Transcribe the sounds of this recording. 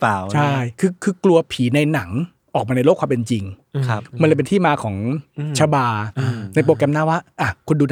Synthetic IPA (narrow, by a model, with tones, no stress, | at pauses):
a˨t͡ɕʰa˥˩jkʰɯː˧kʰɯː˧klu˧ɐpʰiː˩˦na˧jna˩˦ŋ | ʔɔː˨˩k̚maː˧na˧jlo˥˩kʰwaː˧mpe˧nt͡ɕi˧ŋʰ˦m˧nlɤ˧jpe˧t̪iː˥˩maː˧kʰɔː˩˦ŋt͡ɕʰa˧baː˧na˧jp̬oː˧kɛ˧mnaː˧˥˩wa˦˥˩ʔa˧˩kʰu˧nduː˧n